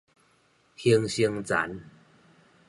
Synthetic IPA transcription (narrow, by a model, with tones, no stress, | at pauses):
hi˧ŋɕi˧ŋt͡sa̰˨˦n